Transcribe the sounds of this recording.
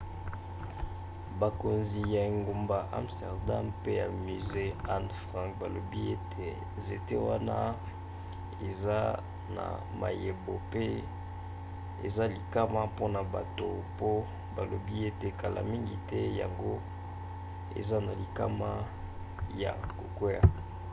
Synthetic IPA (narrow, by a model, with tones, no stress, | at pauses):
ba˨ko˨nzi˨ja˨e˨ŋɡo˨mba˨ʔa̰˦˨mstɛ̰˨ʁda˦mpe˦ja˨my˨ze˦a˦nfʁã˦ŋkba˨lo˨bi˦e˦tʰe˦˨ | ze˨te˦wa˦na˦ | e˨za˦ | na̰˨ | ma̰˨je˨bo˨pe˦ | ḛ˨za˦li˨ka˦ma˦po˦na˨ba˨to˨po˦ | ba˨lo˨bi˦e˦te˨ka˨lʔa̰˨mi˦ŋɡi˨tɛ˦ja̰˨ŋɡo˦ | ḛ˨za˦na˨li˨ka˦ma˦ | ja̰˨ko˨kwe˦ja˨